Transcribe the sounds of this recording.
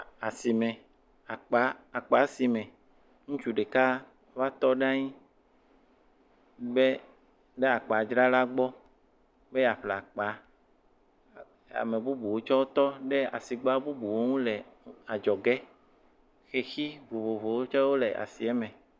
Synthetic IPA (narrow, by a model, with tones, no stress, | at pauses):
a˨si˨mɛ̃˨ | a˨k͡pa˨˦a˨k͡pa˨˦si˨mɛ̃˨ | ŋũ˦t͡ʃu˦ɖe˨ka˦ | va˦t̪ɔ˦ɖã˦ɲĩ˦ | be˦ | ɖe˦a˨k͡pa˨d͡ʒɾa˦la˦ɡ͡bɔ˦ | be˦a˨ɸla˨k͡pa˨ | a̰˨mẽ˨bu˦bu˨wo˦t͡ʃɔ˦wo˦t̪ɔ˦ɖe˦a̰˨si˨ɡ͡ba˦bu˦bu˨wo˦ŋũ˦le˨a˨d͡ʒɔ˨ɡɛ˦ | xe˨xi˦vo˨βo˨vo˨wo˦t͡ʃɔ˦wo˦le˨ʔa̰˨si˨ɛ˦mɛ̃˨